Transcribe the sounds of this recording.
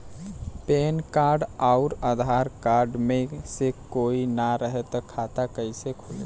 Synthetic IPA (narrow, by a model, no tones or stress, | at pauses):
penkaɾɖaʊɾad̪ʱaɾkaɾɖmesekoinaɾəɦet̪ɔkʰat̪akəɪsekʰole